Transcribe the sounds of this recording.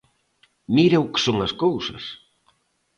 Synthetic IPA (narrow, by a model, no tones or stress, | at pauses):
miɾeʊkɪ̥soŋɐskowsɐ̰s